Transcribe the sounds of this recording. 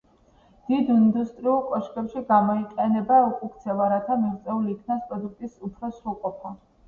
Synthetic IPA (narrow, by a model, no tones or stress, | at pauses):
d̪̥id̪ind̪ust̪ʼɾiulˠkʼɔʃkʼɛpʃiɡamɔiqʼɛnɛbaukʼukʰt̪sʰɛlaɾat̪ʰamiʁt̪sʼɛuliːkʰnaspʼɾɔd̪uk̚ʰt̪ʼisupʰɾɔsɾulˠqʼɔpʰɔ